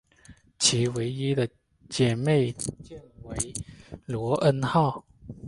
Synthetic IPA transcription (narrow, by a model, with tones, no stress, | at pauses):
t͡ɕʰi˨˥we˧˥ɪi˦d̪ə˨ | t͡ɕjɛ˨˩˦me˥˩ɪt͡ɕjɛ˥˨nwe˨˦ɪlwɔ˧˥˦ʔə˥nxɑ˥˩ʊ